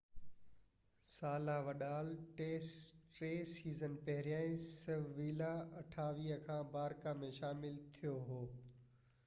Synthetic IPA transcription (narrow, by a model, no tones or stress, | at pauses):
saːlaʋɐɗaːlʈeːs | ʈɾeːsiːzənpɐɦɪɾjaːĩsɐʋʋiːlaɐʈʰaːʋiːəkʰãːbaːɾkamẽʃaːmɪlt̪ʰijoɦoː